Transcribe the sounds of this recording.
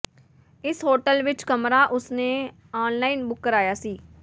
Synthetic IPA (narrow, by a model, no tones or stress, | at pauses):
ɪsɦoːʈəlʋɪt͡ʃkəmɾaːʔʊsneː | aːnlaːiːnbʊkːəɾaːjaːsiː